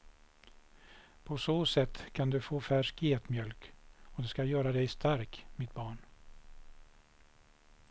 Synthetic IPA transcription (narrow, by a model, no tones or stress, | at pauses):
pʰɔsoːsɛt̪ːkʰand̪ɵfoːfæʂkeɛt̪mjœlkɔd̪ɛskajœːɾad̪ɛjst̪ʰaɾkmɪt̪̚bɑːɳ